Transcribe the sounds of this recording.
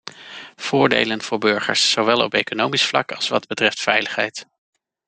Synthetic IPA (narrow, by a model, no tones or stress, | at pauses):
v̥ʊːɹdḛjlənv̥ʊːɹbɵɹχə̰ɹsːowʋɛlˠɔ̰pejkonowmisflɑ̰kɑlˠsʋɑd̚bətrɛftfɛjləχɦɛjt